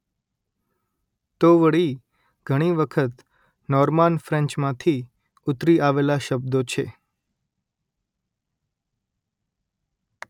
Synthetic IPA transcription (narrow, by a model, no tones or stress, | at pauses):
t̪oʋəɭi | ɡ̥ʱəɽ̃iʋəkʰət̪ | nɔɾmanfɾɛ̃ɲt͡ʃmãt̪ʰi | ʊt̪ɾiʔaʋelaʃəbd̪ot͡ʃʰe